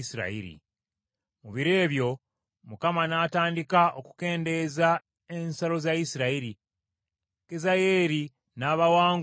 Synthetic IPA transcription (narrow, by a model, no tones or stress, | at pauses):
siɾa̰ḭɾḭ | muβiɾeːβjo̞ | mukamanaːtaːndikaʔoku̥ke̞ːnde̞za | ensalo̞zaisiɾaiɾi | kezaje̞ːɾi | naːβawaːŋ